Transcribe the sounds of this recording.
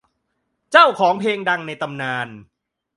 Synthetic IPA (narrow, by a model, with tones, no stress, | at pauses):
t͡ɕaː˥˩wkʰɔː˩˦ŋpʰeː˧ŋda˧ŋna˧jt̪a˧mnaː˧n